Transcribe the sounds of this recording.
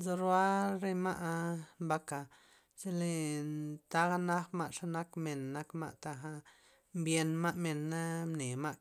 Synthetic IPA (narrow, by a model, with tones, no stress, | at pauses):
zo˧ɾwa˦ɾe˦ma˦ʔmba˦ka˨ | se˦le˧t̪a˦ɣa˦na˦xma˧ʔʂa˦na˦kme˨nːa˦kma̰˦ʔt̪a˧xa˦ | mbje˧nma˦ʔme˨nːa˦mne˨ma˦ʔ